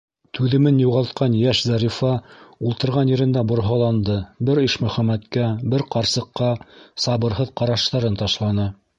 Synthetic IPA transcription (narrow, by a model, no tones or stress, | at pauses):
t̪ʰʉðɘ̆mɘnjuʁɑlˠt̪̚qɑnjæʃzɑɾifɑulˠt̪ɤ̆ɾʁɑnjɘ̆ɾɘ̆nd̪æbŏɾɦɑlˠɑnd̪ɤbɘɾiʃmɵ̆χæmæt̪kæbɘɾqɑɾsɤ̆qːɑsɑβɤ̆ɾɦɤðqɑɾɑʃt̪ɑɾɤnt̪ɑʃlˠɑnɤ